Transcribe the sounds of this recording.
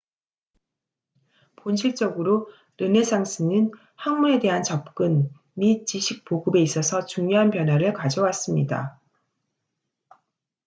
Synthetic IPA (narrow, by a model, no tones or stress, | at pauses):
ponɕʰiɭt͡ɕ͈ʌɡɯɾo | ɾɯne̞sʰaŋsʰɯnɯn | haŋmue̞de̞ɦant͡ɕʌp̚k͈ɯn | mit͡ɕiɕʰik̚poɡɯbe̞is͈ʌsʰʌt͡ɕuŋɲjoɦanpjʌnwaɾɯɭkad͡ʑʌwas͈ɯmɲida̰